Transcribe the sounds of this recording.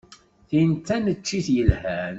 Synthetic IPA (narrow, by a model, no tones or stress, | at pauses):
θint̪ːænət͡ʃːiθjəlhæn